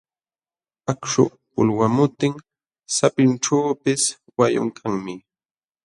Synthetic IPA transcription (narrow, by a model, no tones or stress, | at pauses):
akʂʊ̰ | pʊ̰lwamʊt̪ɪŋ | sapɪnʈ͡ʂaːpɪs | wajʊ̰ŋkʰaŋmɪ